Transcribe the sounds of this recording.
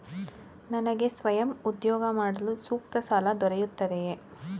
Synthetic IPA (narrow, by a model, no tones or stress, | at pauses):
nɐnɐɡesʋɐjɐmud̪joːɡɐmaːɽɐlɯsuːk̚t̪ɐsaːlɐd̪ɔɾɐjut̪ːɐðeje